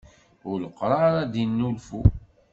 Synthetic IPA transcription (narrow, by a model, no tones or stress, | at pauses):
ʊləqːɾˤɑɾˤæd̪inːulfu